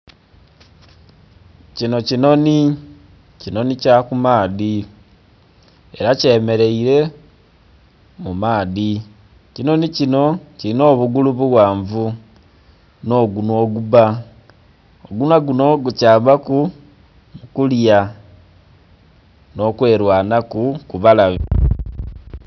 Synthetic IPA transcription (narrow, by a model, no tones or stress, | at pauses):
cino̞cino̞ni | cino̞nicakumaːði | eɾace̞me̞ɾe̞iɾe̞ | mumaːði | cino̞nicino̞cilino̞ːβuɡuluβuɣwaːɱvu | no̞ːɡunwo̞ɡuβa | oɡunwaɡuno̞ɡucaːmbaku | mukulja | no̞kwe̞ːɾwaːnakukuβalaβi